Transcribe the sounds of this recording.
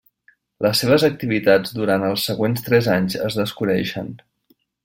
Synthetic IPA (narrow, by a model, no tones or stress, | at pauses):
ləsːeβ̞əzək̚t̪iβit̪ad͡zd̪uɾant̪əlˠsːəɣwenst̪ɾɛzaɲzə̰zðəskunɛʃə̰n